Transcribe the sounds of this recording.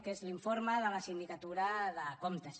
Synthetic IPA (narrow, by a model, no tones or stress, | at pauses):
kezliɱfoɾməðələsind̪ikat̪uɾəðəkomt̪əs